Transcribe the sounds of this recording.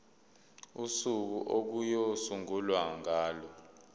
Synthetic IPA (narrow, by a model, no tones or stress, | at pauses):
usuk̬uʔok̬ujosuŋulwaŋaːlɔ